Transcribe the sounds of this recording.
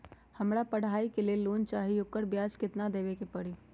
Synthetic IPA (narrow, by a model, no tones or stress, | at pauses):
həmɽapəɽ̤aːikelieloːnt͡ʃaːɦiʊkːəɾbjaːd͡ʒkɪt̪nad̪eːʋekepəɽiː